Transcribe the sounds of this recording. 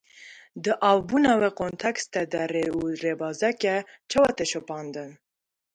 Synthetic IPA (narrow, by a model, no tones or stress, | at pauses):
d̪əʔɑwbunaweqont̪ʰakst̪ɛd̪aɾeuɾebɑːzakɛt͡ʃʰawat̪eʃopɑːnd̪ən